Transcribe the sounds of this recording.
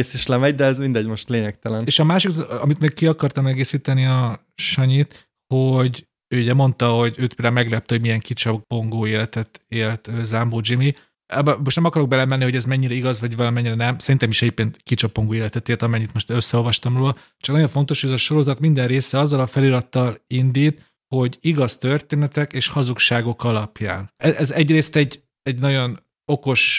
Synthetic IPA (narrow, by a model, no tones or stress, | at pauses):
eːsiʃlɛmɛɟd̪ɛɛzmind̪ɛɟmo̞ʃt̪leːɲɛkt̪ɛlɛneːʃɒmaːʃikɒ̰mit̪meɡ̚kiɒkɒrt̪ɒmɛɡeːsiːt̪ɛniɒ | ʃɒɲit̪ | hoɟ | øːyɟɛmo̞nt̪ɒɦo̞ɟøːt̪peld̪aumɛɡlɛp̚t̪ɛɦoɟmijɛŋkit͡ʃɒpːoŋɡoːeːlɛt̪ɛt̪eːlt̪øːzamboːd͡ʒimi | ɛbmo̞ʃt̪nɛmɒkɒɾo̞ɡ̚bɛlɛmɛnːiho̞ɟɛzmɛɲːiɾɛiɡɒzʋɒɟvɒlɒmɛɲːiɾɛnɛmsɛɾint̪ɛmiʃɛipeːnt̪kit͡ʃɒpːoŋɡoːeːlɛt̪ɛt̪eːlt̪ɒmɛɲːit̪moʃt̪øsːɛo̞lvɒʃt̪ɒmroːlɒ | t͡ʃɒknɒɟjo̞ɱfo̞nt̪o̞ʃhoɟɛzɒʃo̞ɾo̞zɒt̪mind̪ɛnreːsɛɒzːɒlɒfɛliɾɒt̪ːɒlind̪iːt̪ | ho̞ɟiɡɒst̪ørt̪eːnɛt̪ɛkeːʃhɒzukʃaːɡo̞kɒlɒpja̰ːnɛɛzɛɟreːst̪ɛɟ | ɛɟnɒɟo̞n | o̞ko̞ʃ